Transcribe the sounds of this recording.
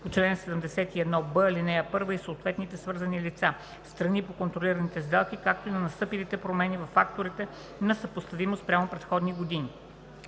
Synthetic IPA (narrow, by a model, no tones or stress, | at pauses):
pot͡ʃlɛnsɛd̪əmd̪ɛsɛt̪iɛd̪nɔbəlinɛjəpɤɾvəisoːt̪vɛt̪nit̪ɛsvɤɾzɐnilit̪sa | st̪ɾɐnipokont̪ɾoliɾɐnit̪ɛzd̪ɛlˠkikak̚t̪oinɐnɐst̪ɤpilit̪ɛpɾomɛnivɐfːak̚t̪oɾit̪ɛ | nɐsəpost̪ɐvimospɾʲamopɾɛt̪xɔd̪niɡod̪ini